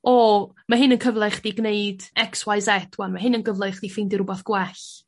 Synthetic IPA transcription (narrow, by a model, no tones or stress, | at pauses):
ɔ | maɦɪnənkʰəvlˠɛχd̥iɡneɨd̥ɛkswaɨsɛdwanmaɦɪnənɡəvlˠɛχd̥ifɪndɪɾʊbɔθɡ̥wɛɬ